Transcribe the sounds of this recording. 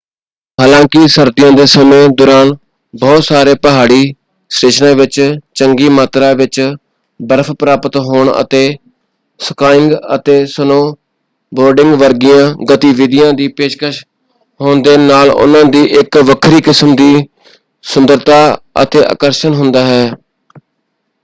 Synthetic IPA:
ɦaːlãːkɪsəɾd̪ɪjãːd̪eːsəmẽːd̪ʊɾaːn | bɔːt̪saːɾeːpəɦaːɽiː | sɾeːʃnãːʋɪt͡ʃt͡ʃəŋɡiːmaːt̪ɾãːʋɪt͡ʃ | bəɾpʰpɾaːpət̪ɦoːɳə̰t̪eː | səkaːɪŋɡə̰t̪eːsənoː | boːɾɖɪ̃ŋɡʋəɾɡɪjãːɡət̪iːʋɪd̪ɪjãːd̪iːpeːʃkəʃ | ɦoːɳd̪eːnaːlʊ̰nãːd̪iːʔɪkʋəkʰɾiːkɪsəmd̪iː | sʊnd̪əɾt̪aːə̰t̪eːʔa̰ːkəɾʃənɦʊnd̪aːɦɛː

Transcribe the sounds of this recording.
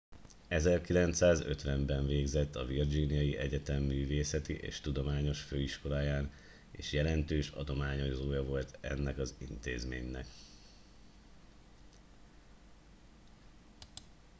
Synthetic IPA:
ɛzɛrkilɛnt̪saːzøt̪ʋɛmbɛɱveːɡzɛt̪ːɒvird͡ʒinijɒjiʔɛɟɛt̪ɛmːyːveːsɛt̪iʔḛːʃt̪ud̪o̞maːɲo̞ʃføːiʃko̞laːjaːn | ḛːʃjɛlɛnt̪øːʃɒ̰d̪o̞maːɲo̞zoːjɒvo̞lt̪ɛ̰nːɛkɒzint̪ḛːzmḛːɲnɛ̰k

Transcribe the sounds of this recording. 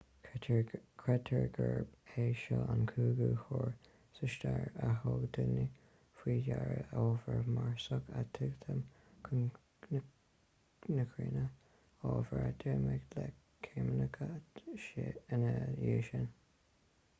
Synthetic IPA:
kʰɹɛt̪ʰəɹɡəɹbeːʃɔankʰuːɡuːhɔːɹ | səʃt̪aɹaɦoɡd̪ʊni | fwiːjaɹəoːvəɹmaɹsəkat̪ʰɪɡt̪ʰəm | kʰ | nəkʰɹiːnə | oːvəɹad̪̥ɪɹmɪɡlɛ | kʰeːmənəkʰə | ənəjiːʃən

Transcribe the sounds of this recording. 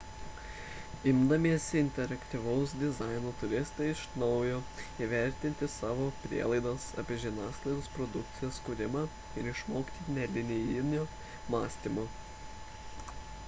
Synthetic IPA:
ɪmd̪ɐmʲiɛsʲɪnʲt̪ʲɛɾɐkʲt̪ʲiʋɐʊs̬d̪ʲɪzɑɪnoːt̪ʊɾʲɪst̪ɐɪɪʃnɒʊjoːiʋʲæˑɾʲt̪ʲɪnʲt̪ʲɪsɑːʋoːpʲɾʲḭɛlˠɐɪd̪ɐsɑ̰ːpʲiɛʒʲiɛnɑːsklˠɐɪd̪oːspɾɔd̪ʊkt̪sʲɪjɛskʊɾʲɪmɑː | ɪɾɪʃmoːkʲi̥t̪ʲiːt̪ʲnʲɛlʲɪnʲɪjɪnʲoː | mɑːsʲt̪ʲimo

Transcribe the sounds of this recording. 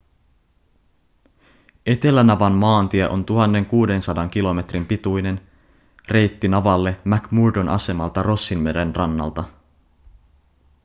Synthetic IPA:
e̞t̪e̞lænɑʋɑnmɑːnt̪iɛʔo̞nt̪uɦɑnːe̞ŋkuːde̞nsɑdɑŋk̟ilo̞me̞t̪rimpit̪ujne̞n | re̞jt̪ːinɑʋɑlːe̞mækmuɹdonʔɑ̰se̞mɑlt̪ɑro̞sːinmedenrɑnːɑ̰lt̪ɑ

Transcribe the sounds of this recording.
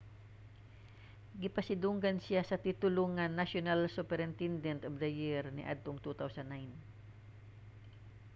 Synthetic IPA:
ɡɪpɐsɪd̪uŋɡɐnsɪjasɐt̪it̪ʊloŋːɐnaʃonalsupɛɾɪnt̪ɛnd̪ɛnt̪ɔfd̪ɐjɪɹnɪ̰ʔa̰d̪̚t̪oŋt̪ut̪awsɐnːajn

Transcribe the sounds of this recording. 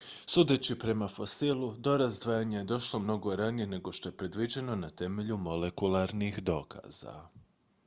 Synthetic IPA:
suːd̪e̞t͡ɕipɾe̞mafo̞silˠud̪o̞ɾazd̪ʋaːjaɲeje̞d̪o̞ʃlˠo̞mno̞ɡo̞ɾanije̞ne̞ɡo̞ʃt̪o̞je̞pɾe̞d̪ʋid͡ʑe̞no̞nat̪e̞me̞ʎumo̞le̞kulˠaɾnixd̪o̞ːkʰa̰ːz̥a̰

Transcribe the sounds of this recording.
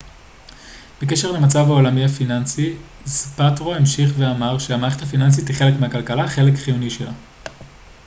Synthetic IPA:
b̥ek̬e̞ʃe̞ʁlemat͡savhao̞lamiafinansi | zpatʁo̞emʃiχveamaʁʃehamaːʁeethafinans̬itiχe̞le̞kmeɦakalkalaχe̞le̞kχijuniʃela̰

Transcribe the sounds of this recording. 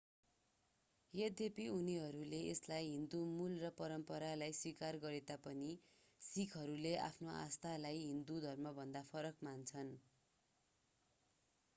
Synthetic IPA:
jed̪epiuniɦʌɾuleeslajɦind̪umulrʌpʌɾʌmpʌɾalajswikarɡʌɾet̪apʌni | sikʰɦʌɾuleʔa̰pʰnoʔa̰st̪ʰalajɦind̪ud̪ʱʌrmʌbʱʌnd̪apʰʌɾʌkmant͡sʰʌn

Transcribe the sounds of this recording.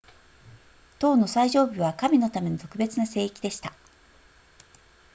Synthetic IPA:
t̪o̞ːno̞saiʑo̞ːbɯβ̞akamʲino̞t̪ame̞not̪o̞kɯ̟be̞t͡sɨnase̞ːikʲid̪e̞ɕi̥t̪a

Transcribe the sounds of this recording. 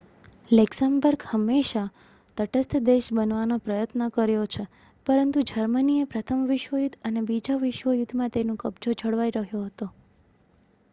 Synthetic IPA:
lɛksambəɾɡhəmːeʃa | t̪əʈəst̪d̪eʃbənʋanopɾəjət̪nəkəɾjot͡ʃʰe | pəɾənt̪ud͡ʒəɾməniepɾət̪ʰəmʋɪʃʋəjud̪ʱənebid͡ʒaʋɪʃʋəjud̪ʱmãt̪enũkəbd͡ʒod͡ʒʱəɽʋaiɾəɦjoɦət̪o

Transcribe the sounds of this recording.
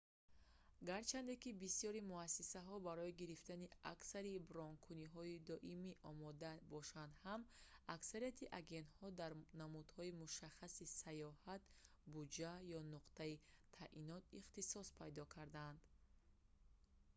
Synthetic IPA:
ɡaɾt͡ʃʰand̪ekibisiɔɾimuasisaɦɔbaɾɔiɡiɾift̪ania̰ksaɾibɾɔŋkʰuniɦɔid̪ɔʔimiʔɔmɔd̪abɔʃand̪hamaksaɾiat̪ʰiʔaɡe̞nt̪hɔd̪aɾnamud̪hɔimuʃaχːasisajɔhat̪ | bud͡ʒajɔnuqt̪ait̪ʰaʔinɔt̪iχt̪isɔspʰajd̪ɔkʰaɾd̪and̪̥

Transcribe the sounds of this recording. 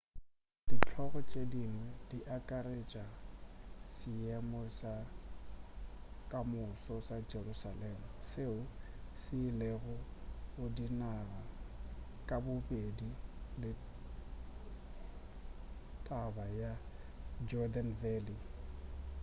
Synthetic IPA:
d̥it͡ɬʰɔɣɔt͡ʃʼediŋwediʔakʼaɾet͡ʃʼa | sɪɛmɔsa | kʼamʊsɔsad͡ʒerusalɛmʊseʊ | sɪleɣʊɣʊdinara | kʼabʊpʼedilɪ | tʼabaja | d͡ʒɔdanvɛli

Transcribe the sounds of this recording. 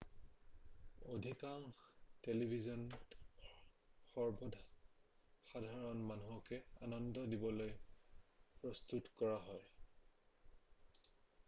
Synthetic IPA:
odʱikaŋtelibʱizɔn | xɔɹbɔdʱ | xadʱaɹɔnmanuɦɔkɛanɔndɔdibɔloj | pɹɔstutkɔɹaɦɔj

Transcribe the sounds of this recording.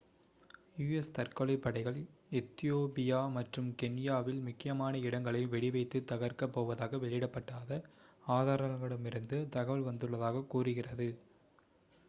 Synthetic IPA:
juːɛst̪ɐrkɐɭɐɪpːɐɽɐɪɣɐɭɛt̪ːɪjoːpɪjaːmɐʈrɯmkɛnjaːʋɪlmʊkːɪjɐmaːnɐɪɽɐŋɡɐɭɐɪʋɛɽɪʋɐɪt̪ːɯt̪ːɐɣɐɾkɐpːoːʋɐðaːɣɐʋɛɭɪɪɽɐpːɐʈːaːðɐaːðaːɾɐɐŋɡɐɭɯmɪɾɯnd̪ɯt̪ɐɣɐʋɐɭʋɐnd̪ɯɭːɐðaːɣɐkːuːrɯɣɪrɐðɯ

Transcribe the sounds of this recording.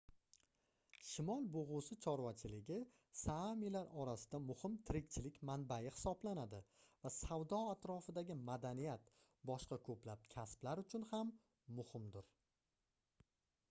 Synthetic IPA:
ʃɪmɒlˠboʁʊsɪt͡ʃʰɒɾwat͡ʃʰɪlɪɡʲɪ | samilaɾɒɾasɪd̪amʊhɪmt̪ʰɪɾɪkʲt͡ʃʰɪlɪkʲmanbajɪhɪ̥sɒblanad̪ɪvasawd̪ɒat̪ɾɒfɪd̪aɡʲɪmad̪anijat̪ | bɒʃqɑkʰɵplap̚kʲʰasplaɾʊt͡ʃʰʊnhamː | ʊhɪmd̪ʊɾ

